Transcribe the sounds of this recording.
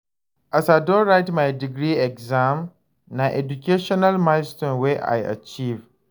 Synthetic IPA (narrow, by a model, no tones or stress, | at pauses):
ʔasadɔɾaɪtmajdɪɡɾiɛkzãm | naʔɛdukʲʰeʃɔnalmastɔ̃nweʔa̰jʔa̰t͡ʃiv